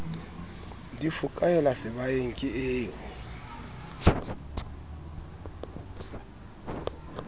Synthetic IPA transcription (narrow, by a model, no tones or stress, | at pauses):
ndifukʼajɔlasɛβajeŋ̩kʼieːjɔ